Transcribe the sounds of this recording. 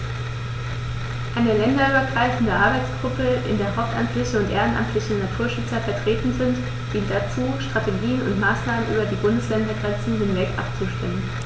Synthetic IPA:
ʔaɪnəlɛndɐyːbɐɡʁaɪfn̩dəʔaɐbaɪt͡sɡ̥ʁʊpəʔɪ̰ndeːɐɦaʊp̚tʔa̰mtʰlɪçəʊntʔeːʁənʔa̰mtʰlɪçənatʰuːɐʃʏt͡sɐfɛɐtʁ̥eːtn̩zɪnt | d̥iːntd̥at͡suːʃtʁ̥ateɡiːənʊ̰ntmaːsnaːmənʔy̰ːbɐdiːbʊndəslɛndɐɡʁɛnt͡sn̩dɪnvɛktʔa̰p̚t͡suʃtɪmən

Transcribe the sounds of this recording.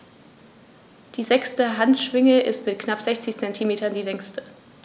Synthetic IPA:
d̥iːzɛkstəɦantʃv̥ɪŋəʔɪstmɪtkʰnapz̥ɛçt͡sɪçt͡sɛntʰimeːtɐndiːlɛŋstə

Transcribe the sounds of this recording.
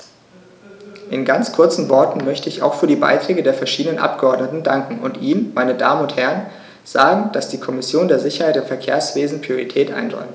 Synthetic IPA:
ʔɪnɡant͡skʰʊɐt͡sn̩vɔɐtn̩mœçtəɪça̰ʊxfyːɐdiːba̰ɪtʁ̥ɛːɡədeːɐfɛɐʃiːdənənʔa̰p̚ɡ̥əɔɐdnətn̩daŋkŋ̩ʊntʔiːmmaɪnəda̰ːmənʊnthɛɐən | z̥aːɡŋ̩d̥asd̥iːkʰɔmɪsjoːndeːɐzɪçɐhaɪtɪmfɛɐkʰeːɐsv̥eːzn̩pʁ̥ioʁitʰɛːtʔa̰ɪnʁɔ̰ʏmt

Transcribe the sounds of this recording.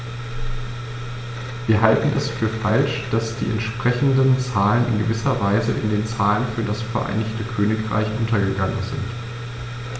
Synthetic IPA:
viːɐɦaltn̩ʔɛsfyːɐfalʃd̥asd̥ḭːɛ̰ntʃpʁ̥ɛçn̩dənt͡saːlənɪ̰nɡəvɪsɐvaɪzəʔɪndeːnt͡saːlənfyːɐdasfɛɐʔa̰ɪnɪçtəkʰøːnɪkʁa̰ɪçʔʊntɐɡəɡaŋənzɪ̰nt

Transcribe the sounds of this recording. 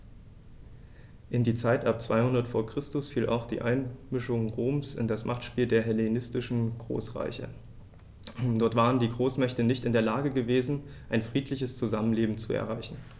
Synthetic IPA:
ʔɪndiːt͡saɪtʔap̚t͡sv̥aɪhʊndɐtfoːɐkʁ̥ɪstʊsfiːlʔa̰ʊxd̥ḭːʔaɪnmɪʃʊŋʁoːmsɪ̰ndasmʔaχtʃpiːldeːɐɦɛlenɪstɪʃn̩ɡ̥ʁo̰ːsʁa̰ɪçə̰ | d̥ɔɐtv̥aːʁ̞əndiːɡʁoːsmɛçtənɪçtɪndeːɐlaːɡəɡəveːzn̩ | ʔaɪnfʁ̥iːtʰlɪçəst͡suzamənleːbm̩t͡suɛ̰ɐʁ̞aɪçn̩

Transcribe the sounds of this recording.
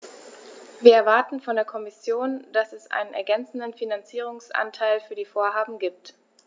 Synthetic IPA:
viːɐɛɐvaɐtn̩fɔndeːɐkʰɔmɪsjoːnd̥asɛsʔa̰ɪnənɛ̰ɐɡɛnt͡sn̩dənfinant͡siːʁ̞ʊŋsʔa̰ntʰaɪlfyːɐdiːfoːɐɦaːbm̩ɡiːp̚t

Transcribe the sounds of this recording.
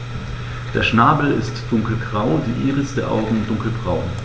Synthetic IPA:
d̥eːɐʃnaːbl̩ɪstd̥ʊŋkl̩ɡʁaʊdiːʔiːʁəsd̥eːɐʔa̰ʊɡŋ̩ʊnt̚d̥ʊŋkl̩bʁaʊ

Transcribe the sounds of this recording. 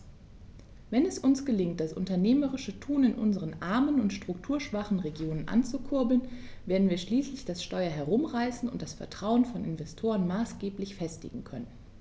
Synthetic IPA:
vɛnɛsʔʊnsɡ̥əlɪŋt̚d̥asʊ̰ntɐneːməʁɪʃətʰuːnɪnʔʊ̰nzəʁ̞ənʔaɐmənʊntʃtʁ̥ʊktʰuːɐʃv̥aχn̩ʁeɡjoːnənʔa̰nt͡sukʰʊɐbl̩nveːɐdn̩viːɐʃliːslɪçd̥asʃtɔʏɐɦɛɐʁʊmʁaɪsn̩ʊnt̚d̥asfɛɐtʁ̥aʊənfɔnʔɪ̰nvɛstʰoːʁənmaːsɡ̥eːplɪçfɛstɪ̰ɡŋ̩kʰœnən

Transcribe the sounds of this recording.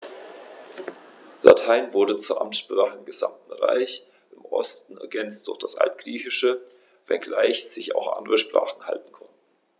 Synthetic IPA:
la̰tʰaɪnvʊɐdət͡suːɐʔa̰mtʃpʁ̥aːχəɪmɡəza̰mtn̩ʁa̰ɪç | ʔɪmʔɔ̰stn̩ɛɐɡɛnt͡st̚d̥ʊɐçd̥asʔa̰ltɡ̥ʁiːçɪʃə | vɛ̰nɡlaɪçz̥ɪça̰ʊxʔa̰ndəʁəʃpʁ̥a̰ːχn̩ha̰ltn̩kʰɔnt̚n̩

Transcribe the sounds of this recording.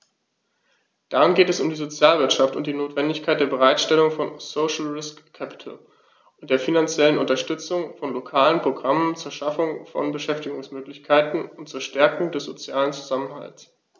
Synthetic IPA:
d̥aʁɪnɡeːtɛsʊmdiːzot͡sjaːlvɪɐtʃaftʊnt̚d̥iːnoːtv̥ɛndɪçkʰaɪt̚d̥eːɐbəʁ̞aɪtʃtɛlʊŋfɔnsoʃl̩ʁɪskʰːɛpɪ̥tʰl̩ | ʔʊntd̥eːɐfinant͡sjɛlənʊntɐʃtʏt͡sʊŋfɔnlokʰaːlənpʁ̥oɡʁamənt͡suːɐʃafʊŋfɔ̰nbəʃɛftɪɡʊŋsmøːklɪçkʰaɪtn̩ʊntt͡suːɐʃtɛɐkʊŋdɛsz̥ot͡sjaːlənt͡su̥zamənɦa̰ls

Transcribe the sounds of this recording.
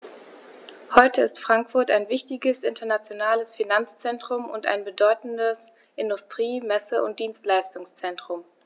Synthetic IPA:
hɔʏtʰəɪstfʁ̥aŋkfʊɐtaɪnvɪçtɪɡəsʔɪntʰɐnat͡sjonaːləsfinant͡st͡sɛntʁ̥ʊmʊ̰nta̰ɪnbədɔʏtn̩dəs | ʔɪndʊstʁ̥iːmɛsəʔʊ̰nt̚d̥iːnstlaɪstʊŋst͡sɛntʁ̥ʊm

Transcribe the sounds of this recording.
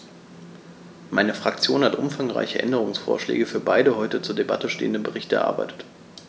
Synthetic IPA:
maɪnəfʁ̥akt͡sjoːnhatʔʊmfaŋʁa̰ɪçəʔɛ̰ndəʁ̞ʊŋsfo̰ːɐʃlɛ̰ːɡəfyːɐbaɪdəɦɔʏtət͡suːɐdeba̰təʃtḛːəndəbəʁɪçtɛɐʔa̰ɐbaɪtə̥t

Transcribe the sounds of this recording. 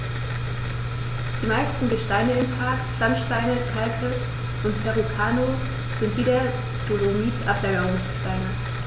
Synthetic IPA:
d̥iːmaɪstn̩ɡəʃtaɪnəɪmpʰaɐkz̥amʃtaɪnəkʰalkʰə | ʔʊntpʰɛʁukʰaːno | z̥ɪntv̥iːɾɐ | z̥oloniːt͡sʔaplaːɡɐʁʊŋsɡ̥əʃtaɪnɐ

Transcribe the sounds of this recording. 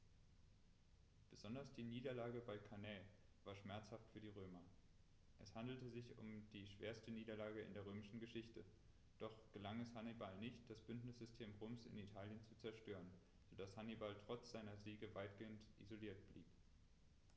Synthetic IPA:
b̥əzɔndɐsd̥iːniːdɐlaːɡəbaɪkʰanɛ | vaːɐʃmɛɐt͡shaftfyːɐdiːʁ̞øːmɐ | ʔɛshandl̩təzɪçʊ̰md̥iːʃv̥eːɐstəniːdɐlaːɡəɪ̰ndeːɐʁ̞øːmɪʃn̩ɡəʃɪçtə | d̥ɔχɡ̥əlaŋɛshanibalnɪçt̚d̥asb̥ʏntnɪsz̥ʏstʰeːmʁoːmsɪ̰nitʰaːljənt͡sut͡sɛɐʃtøːʁən | z̥odashanibaltʁ̥ɔt͡sz̥aɪnɐziːɡəvaɪtɡ̥eːəntʔḭzoliːɐt̚b̥liːp

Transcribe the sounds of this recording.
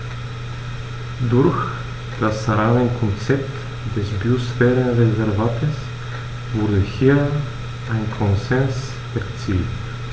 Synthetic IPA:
dʊɐç | d̥asːaʁaːnənkʰɔnt͡sɛp̚t | d̥ɛsbiosfɛːʁənʁezɛɐvaːtʰəs | vʊɐdəhiːɐ | ʔaɪnkʰɔnzɛns | ɛɐt͡sḭːlt

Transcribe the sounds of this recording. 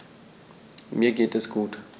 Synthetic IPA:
miːɐɡeːtɛsɡ̥uːt

